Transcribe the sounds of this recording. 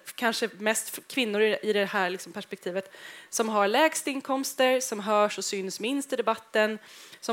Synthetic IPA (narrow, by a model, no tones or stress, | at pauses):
kʰanʂəmɛst̪fkʰvɪnːʊɾɪʔɪd̪ɛhæːɾlɪksɔmpʰæʂpɛk̚t̪ʰiːvət̪sɔmɦaɾɭɛːɡst̪əɪnkʰɔmst̪əɾsɔmɦœːʂɔsʏnsmɪnst̪ɪd̪ɛbat̪ːənsɔ